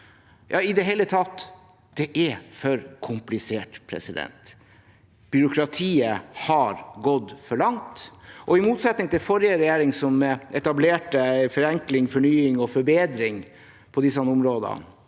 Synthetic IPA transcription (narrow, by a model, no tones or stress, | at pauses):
jɑ̰ːɪd̪ɛɦɛlːət̪ʰɑt̪ː | d̪̥ɛʔɛfœɾkʰʊmplɪseːʈpʰɾɛ̰sɪd̪ɛ̰nt̪ | b̥ʏɾʊkʰɾɑt̪ʰiːəhɑɾɡɔd̪fɔɭɑŋt̪ʔɔɪmuːt̪sɛt̪nɪŋt̪ʰɪlfɔɾɪəɾɛjeːɾɪŋsɔmɛt̪ɑbleːʈəfɔɾɛŋklɪŋfɔɳyːɪŋɔfɔɾbeːd̪ɾɪŋ | pʰɔd̪ɪsːɑnʊmɾoːd̪ɑ̰